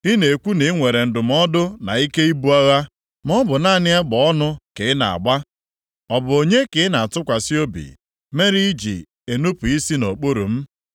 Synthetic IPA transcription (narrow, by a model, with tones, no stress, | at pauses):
i˦ne˨e˨kʷu˦ne˨˦ŋʷe˨ɾe˨n̩˨dʊ˨m̩˦ɔ˦dʊ˦na̰˨i˦ke˦i˦bu˦a˦ɣa˦ | m˦ɔ˦bʊ˨na˦˨nɪ˦a˦ɡ͡bɔ˨ɔ˦nʊ˦ke˨˦ɪ˦na̰˨a̰˨ɡ͡ba˦ | ɔ˨bʊ˨o˨ɲe˦kɪ˨˦na˨tʊ˦kʷa˨si˦o˦bḭ˨ | me˦ɾi˦i˦d͡ʒḭ˨ | e˨nu˦pu˨i˦si˦no˨k͡po˦ɾo̰˨m̩˦